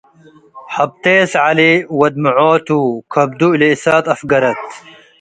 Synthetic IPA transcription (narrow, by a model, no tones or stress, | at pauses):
hɐb̚t̪eːsʕaliwɐd̪̚muʕoːt̪ukʰɐb̚d̪uileisaːt̪ɐfɡɐɾɐt̪